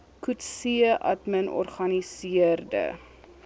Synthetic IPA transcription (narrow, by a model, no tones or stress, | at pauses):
kutsiʔɐ̰tmənɔ̰rχɐnisiərdə̰